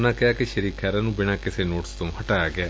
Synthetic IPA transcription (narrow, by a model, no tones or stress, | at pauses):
nãːkɛɦaːkeʃəɾiːkʰɛːɾãːnũːbɪɽ̃ãːkɪseːnoːʈst̪õhɐʈaːjaɡɪaː